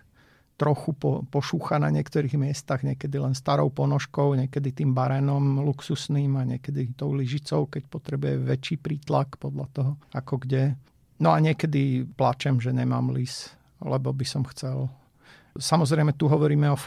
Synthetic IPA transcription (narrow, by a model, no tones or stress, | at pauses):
t̪ɾɔxupɔpɔʃuːxana̰ɲɪɛkt̪ɔɾiːɣmɪɛst̪aɣɲɛkɛd̪ilɛnst̪aɾɔʊpɔnɔʃkɔʊɲɛkɛd̪it̪iːmbaɾɛːnɔmluksusniːmaɲɪɛkɛd̪it̪ɔʊliʒit͡sɔʊkɛcpɔt̪ɾɛbujɛʋɛt͡ʃiːpɾiːt̪lakpɔd̪lʎat̪ɔɦɔakɔɡɟɛ | nɔaɲɪɛkɛd̪iplat͡ʃɛmʒɛɲɛma̰ːmlis | lɛ̰bɔbisɔmxt͡sɛl | samɔzɾɛɪmɛt̪uɦɔʋɔɾiːmɛɔ